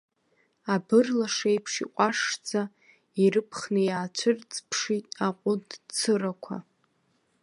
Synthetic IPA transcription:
abɨrlaʂejpʰʂḭqʷʼaʂd͡za | iɾɨpʰχnɨjaːt͡ʃʷʰɨrt͡sʼpʰʂitʼaqʷʼʊdt͡sʰɨɾakʷʰa̰

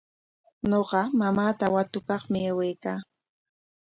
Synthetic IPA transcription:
ɲoɢɑmamaːt̪awat̪ʊkɑχmɪawejkaː

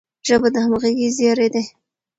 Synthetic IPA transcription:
ʒəbad̪əhamɣaɡizjɑɾed̪e

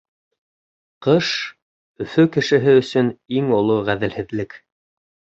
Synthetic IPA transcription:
qɤʃ | ɵ̆fɵkɘ̆ʃɘ̆ɦɘɵ̆sɵniŋolˠoʁæðɘ̆lhɘ̆ðlɘk

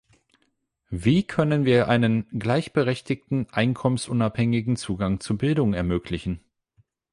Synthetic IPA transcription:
viːkʰœnənviːɐʔaɪnənɡlaɪçb̥əʁɛçtɪktn̩ʔaɪnkʰɔmənsʔʊnaphɛŋɪɡŋ̩t͡suːɡaŋt͡subɪldʊŋɛɐmøːklɪçn̩

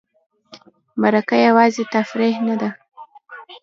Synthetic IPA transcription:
maɾakajawɑzet̪afɾehnad̪a

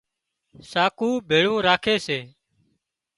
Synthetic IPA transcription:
saːkuːbʱeːɭũːɾaːkʰeːseː

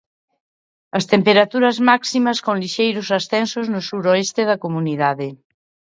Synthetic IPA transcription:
ɐst̪empeɾat̪uɾɐzmaksimɐskõŋliʃejɾʊsasθɛnsoznʊsuɾoest̪eðɐkomuniðaðe

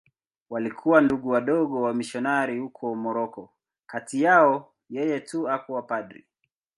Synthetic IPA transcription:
walikʰuwanduɠuwaɗɔɠɔwamiʃɔnaɾihukʰɔmɔɾɔkɔ | katijaɔ | jɛjɛtuakuwapaɗɾḭ

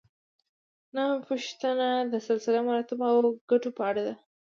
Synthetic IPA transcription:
nampuʃt̪anad̪əsalsɪlamaɾɑt̪ɪbawɡaʈopəaɽad̪a

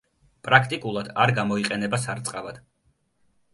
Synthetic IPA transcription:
pʼɾakʰt̪ʼikʼulˠad̪̥aɾɡamɔiqʼɛnɛbasaɾt̪sʼqʼavad̪̥

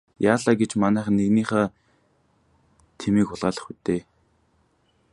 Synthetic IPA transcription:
jaːɮaːɡet͡ɕmanæːχ̆nːeɣniːχaː | t̪ʰemiːkʊɮʁaːɮə̆χut̪eː

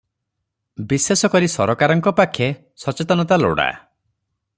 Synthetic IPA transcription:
bisesɔkɔɾisɔɾɔkaɾɔŋkɔpakʰje | sɔt͡ʃet̪ɔnɔt̪alo̰ɽa̰

